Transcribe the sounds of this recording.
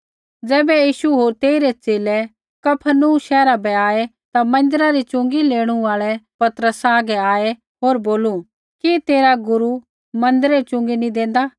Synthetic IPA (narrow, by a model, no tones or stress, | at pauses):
d͡zɛːbɛjiːʃuɦoːɾt̪eːiɾet͡seːlɛ | kɐpʰənuʃɛːɾabɛaːe | t̪amɐ̃nd̪əɾaɾit͡ʃʊ̃ŋɡileːɽ̃ũaːɭɛpɐt̪ɾəsaːɡɛaːe | ɦoːɾboːlu | kit̪eːɾaɡʊɾu | mɐ̃nd̪əɾɛt͡ʃʊ̃ŋɡinĩd̪ẽːnd̪a